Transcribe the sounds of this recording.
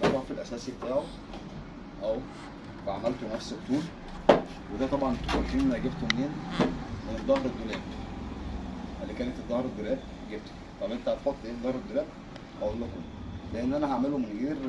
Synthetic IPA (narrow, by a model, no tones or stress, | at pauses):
ʔɑɾˤɑːfilʔæsæːsiʔt̪æːʕ | ʔæw | bæʕamælt̪onæfset̪ˤːuːl | wed̪æːt̪ˤɑbʕɑnt̪xolt̪iːnmæɡebt̪omneːnmened̪ˤːɑhɾed̪ːolæːb | ʔælːikæːnet̪ed̪ˤːɑhɾˤed̪ːolæːb̚ | ɡeb̚t̪o̥ | t̪ˤɑbʔent̪ææb̪ħot̪ˤːʔeːd̪ˤɑhɾed̪ːolæːb | hæʔolːokom | leʔenːʔænæɦaʕmelomenɣeːɾ